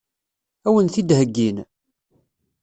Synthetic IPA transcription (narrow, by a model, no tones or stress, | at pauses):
æwənθid̪həɡːin